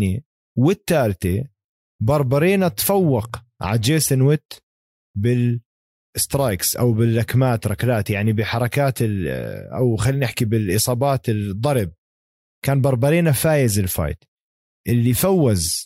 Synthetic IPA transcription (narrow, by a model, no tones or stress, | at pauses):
ni | wɪt̪ːaːlt̪e | bɑɾˤbɑɾiːnat̪fawːɑq | ʕa̰d͡ʒeːsɪnwɪt̪ː | bɪl | ɪst̪ɾˤajksʔa̰wbɪlːakmaːt̪ɾˤɑklaːt̪jaʕnibɪħɑɾˤɑkaːt̪ɪlʔa̰wxaliːnɪħkibɪlʔɨsˤɑːbɑːt̪ɪld̪ˤːɑɾˤb̚ | kaːnbɑɾˤbɑɾiːnafaːjɪzɪlfa̰jt̪ | ʔɪlːifawːaz